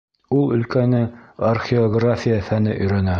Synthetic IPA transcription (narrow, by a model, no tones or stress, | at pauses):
ulˠɵ̆lkænɘɐrχʲioɡrafʲijafænɘʔɵ̆jɾænæ